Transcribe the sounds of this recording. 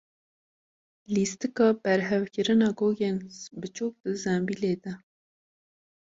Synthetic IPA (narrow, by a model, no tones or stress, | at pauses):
list̪ɨkɑːbɛɾɦɛvkɨɾɨnɑːɡoːɡeːnbɨt͡ʃʰuːk̚d̪̥ɨzɛmbileːd̪ɛ